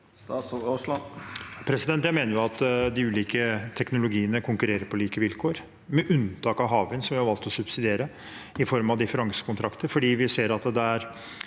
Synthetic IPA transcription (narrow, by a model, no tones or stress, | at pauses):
pʰɾɛsɪd̪ɛnt̪jæɪmeːnəjʊɑt̪ːd̪ɪʉːliːkət̪ʰɛknʊlʊɡiːənəkʰʊŋkʉɾeːɾəɾpʰɔliːkəʋɪlkʰoːɾ | mɛʔʉnt̪ʰɑːkɑʋɦɑːʋənsɔmʋɪhɑɾʋɑlt̪ɔsʉbsɪd̪ɪeːɾə | ɪfɔɾmɑʋd̪ɪfəɾɑŋsə̥kʊnt̪ɾɑkt̪əɾfɔɖiːʋɪseːɾɑt̪d̪ɛd̪ææɾ